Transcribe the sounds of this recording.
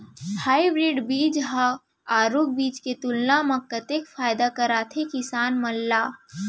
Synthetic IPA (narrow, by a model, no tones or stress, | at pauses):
haːibɾiːɖbiːd͡ʒɦã | aːɾoːp̚biːd͡ʒket̪ulnamɐ̃kːət̪ekfʰaːjd̪akəɾaːt̪ʰekɪsaːnmɐlːaː